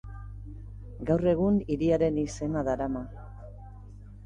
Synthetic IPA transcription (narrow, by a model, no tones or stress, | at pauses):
ɡawre̞ɣ̞uniɾiaɾe̞nise̞naðaɾama